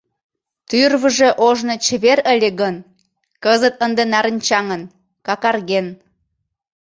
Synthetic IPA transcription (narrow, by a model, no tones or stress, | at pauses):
t̪yrβəʒeʔoʒnot͡ɕəβeɾəlʲeɣən | kəzət̪̚ənd̪enɑɾənʲt͡ɕɑŋən | kɑkɑrɣen